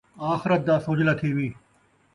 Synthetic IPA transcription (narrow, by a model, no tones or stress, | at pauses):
aːxɪɾət̪̚d̪aːsʊːd͡ʒlat̪ʰiːʋiː